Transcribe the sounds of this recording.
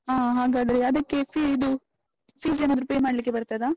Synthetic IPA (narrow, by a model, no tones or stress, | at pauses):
ɦaːɦaːɡaːd̪ɐɾeɐd̪ɐkːepʰiid̪u | pʰiːzenad̪ɾupeːmaːɽɐlik̬ːe̞bɐɾt̪ajd̪aː